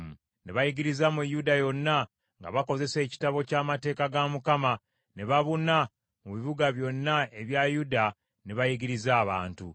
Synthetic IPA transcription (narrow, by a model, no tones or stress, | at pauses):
m | ne̞βajiɡiɾizamujudajo̞nːa | ŋɡa̰βako̞ze̞se̞ːci̥taβo̞caːmate̞ːkaɡamukama | ne̞βaβuna | muβiβuɡaβjo̞nːae̞βjajuda | neβajiɡiɾizaːβaːntu